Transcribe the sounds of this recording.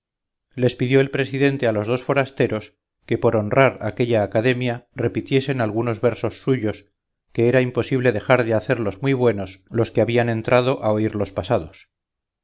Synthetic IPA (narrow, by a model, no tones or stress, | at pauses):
le̞spiðjo̞elpɾe̞siðe̞nt̪ealo̞zð̞o̞sfo̞ɾast̪e̞ɾo̞s | ke̞po̞ɾo̞nraɾa̰keʎaːkaðe̞mjare̞pit̪je̞se̞nalɣuno̞zβeɾso̞sːuʝo̞s | ke̞eɾaimpo̞siβle̞ðe̞xaɾðeaθe̞ɾlo̞zmwiβwe̞no̞slo̞skeaβiane̞nt̪ɾʔaðo̞ʔaoiɾlo̞spasað̞o̞s